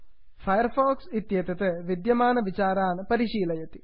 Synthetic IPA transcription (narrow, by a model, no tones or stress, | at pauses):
fʰɐjɐrfoːksit̪jɐt̪ɐt̪eʋid̪jɐmaːnɐʋit͡ɕaːɾaːnɨpɐɾiʂiːlɐjɐt̪i̥